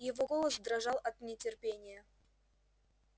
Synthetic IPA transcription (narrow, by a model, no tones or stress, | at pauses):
jɪvoɡolˠəsd̪ɾɐʐɑlˠʔɐt̪nʲɪtʲɪrpʲenʲɪjə